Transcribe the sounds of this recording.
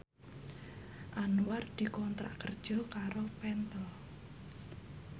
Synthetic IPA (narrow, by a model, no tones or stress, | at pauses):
ʔanuward̪̥i̤kɔnt̪ɾa̰ʔkərd̥ʒ̥ɔ̤kaɾopɛnt̪əl